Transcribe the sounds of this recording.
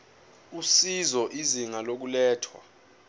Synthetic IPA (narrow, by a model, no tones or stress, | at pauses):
usizɔʔiziŋalok̬ulɛːtʰwa̰